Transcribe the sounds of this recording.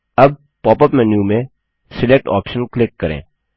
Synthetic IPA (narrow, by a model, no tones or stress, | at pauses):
ɐb̚ | pɔːpəpmɛːnjumẽ | sɪlek̚ʈɔ̰ːpʃənklɪkːəɾḛ̃ː